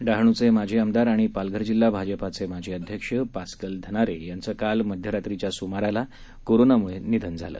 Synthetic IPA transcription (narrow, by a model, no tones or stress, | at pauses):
ɖaɦɳ̃ut͡semad͡ʑʱeəmd̪aɾaɽ̃ipalɡʱəɾd͡ʑilːabʱad͡ʑəpat͡semad͡ʑʱeəd̪ʱjəkʂəpaskəld̪ʱəñaɾejant͡səkalməd̪ʱjəɾat̪ɾit͡ɕjasumaɾala | koɾonamuɭenid̪ʱənd͡zʱa̰lə̰ː